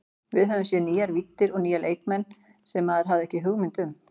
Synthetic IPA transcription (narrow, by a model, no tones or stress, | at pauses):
vɪðɦœvʏmsjɛniːaɾvit̪ːɪɾɔɣniːjalʔḛjkmɛn | sɛmaðɪɾɦavðɪɛhcɪɦʏɣmɪnt̪ʏm